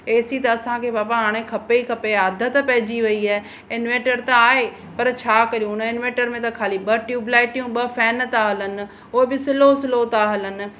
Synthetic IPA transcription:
eːsit̪ɐɐsãkʰebaːbaɦaːɽ̃ekʰɐpeikʰɐpeaːd̪ʱə̆t̪ɐpɐɦɪ̃d͡ʑiʋɐiɛː | ɪnʋẽːʈəɾt̪ɐaːɦe | pɐɾt͡ɕʰaːkɐɾijũʊnəɪnʋẽːʈəɾmẽt̪ɐkʰaːliɓɐʈjuːblaːɪʈijũɓɐfɛːnt̪aɦɐlənɪ̆ | oːebɪsɪlosɪlot̪aɦɐlənɪ̆

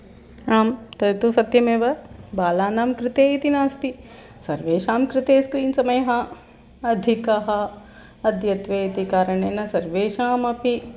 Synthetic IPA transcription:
aːmt̪ɐt̪usɐt̪jɐmeːʋɐbaːlaːnaːmkɾɪt̪eːit̪inaːst̪i | sɐɾʋeːʃaːmkɾɪt̪eːskɾiːnsɐmɐjɐɦɐ | ɐd̪ʱikɐɦɐ | ɐd̪ʱjɐt̪ʋeːit̪ikaːɾɐɳeːnɐsɐɾʋeːʃaːmɐpi

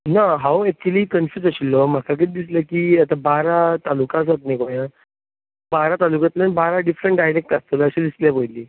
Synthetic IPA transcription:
naɦawɛk̚t͡ɕuliːkənfjuːd͡zəɕilːɔm̤akʰak̬ət̚d̪isləkiːət̪abaɾat̪alukãs̬at̪najkoj̃ã | baɾat̪alukãt̪lənbaɾaɖifɾəɳʈɖajɾek̚ʈast̪ələɕad̪isljabojiliː

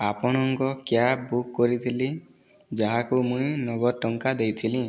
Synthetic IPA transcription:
apɔɽ̃ɔŋkɔkjabukːɔɾit̪ʰili | d͡ʒaɦakumujnɔɡɔɾʈɔŋkad̪ejt̪ʰilĩ

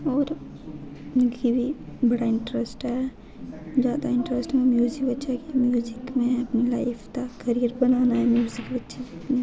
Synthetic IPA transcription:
ɔːɾ | ɡibibɐɽaɪ̃ɳʈɾəsʈɦɛ | d͡ʒjaːd̪aɪ̃ɳʈɾəsʈmẽmjuːzɪkbətːʃakemjuːzɪkmẽɐpnilaːɪft̪axɐɾiəɾbɐnaːnaɦɛmjuːzɪkbɐtːʃepni

